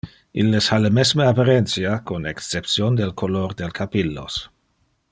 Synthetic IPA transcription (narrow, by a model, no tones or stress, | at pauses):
ʔilːeshalemɛsməapaɾent̪sjakonɛkst͡sep̚sjond̪elkʰolord̪elkʰapilːo̰s